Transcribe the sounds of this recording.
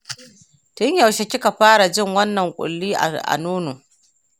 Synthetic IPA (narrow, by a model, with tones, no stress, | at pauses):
tʊ˦ɲja˨wʃe˨kʲɪ˦ka˨ɸaː˦ɽa˨d͡ʒɪ˦ŋwɐ˦nːɐ˨ŋkʷʼʊ̰˨lːiː˦ʔa̰˨ʔa̰˨nuː˦noː˨